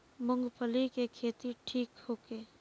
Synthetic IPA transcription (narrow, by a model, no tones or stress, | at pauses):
mʊ̃ŋɡpʰəlikekʰeːt̪iʈʰiːkhoːkeː